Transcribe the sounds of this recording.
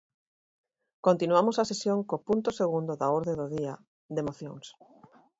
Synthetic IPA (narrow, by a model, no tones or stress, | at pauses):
kont̪inwamosasesjoŋkopunt̪oseɣ̞und̪oðaoɾðeðoðia | ðemoθjoŋs